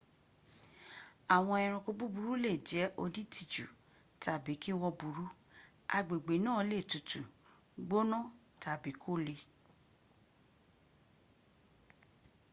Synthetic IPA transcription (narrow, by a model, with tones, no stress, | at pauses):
a˨w̃ɔ̃˧ɛ˧ɾ̃ɔ̃˧ko˧bu˦bu˧ɾu˦le˦˨d͡ʒɛ˨˦ʔo˧di˦ti˦˨d͡ʒṵ˨ | tʰa˨bi˨˦ki˦wɔ˧bu˨˦ɾu˦ | a˧ɡ͡be˨ɡ͡be˨˦nãː˦˨˧le˦˨tu˨tu˨ | ɡ͡bo˦nɔ̃˦˨ | ta˨bi˨˦kʰo˦˨le˧